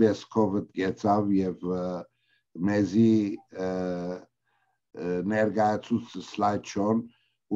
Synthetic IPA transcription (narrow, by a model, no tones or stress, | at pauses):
bɛskʰɔvəd̪ɡɛt͡sʰɑvjɛv | mɛzi | nɛɾɡɑjɑt͡sʰut͡sʰslajt͡ʃʰɔn | u